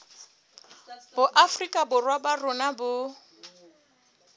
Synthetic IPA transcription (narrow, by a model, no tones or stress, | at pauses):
bʊʔafrikʼabʊrwabarʊnabʊ